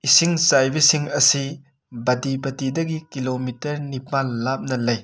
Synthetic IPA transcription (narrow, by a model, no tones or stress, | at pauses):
isiŋsajbisiŋɐsi | bɐdibɐtidɐɡikilomitɐɾnipalːap̚nɐlɐj